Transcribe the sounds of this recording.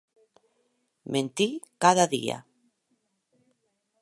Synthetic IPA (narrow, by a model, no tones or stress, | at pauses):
mʔẽnt̪ikaðaðḭa̰